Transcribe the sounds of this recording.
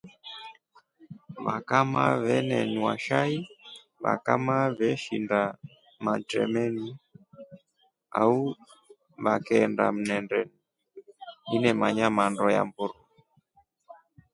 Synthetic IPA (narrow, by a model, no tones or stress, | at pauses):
βakama̰βɛnɛnuwaʃai | βa̰kamaβɛʃinda | matɛ̰mɛni | au | βakɛnda̰m̩nɛndɛni | inɛmaɲamandɔja̰mbuɾu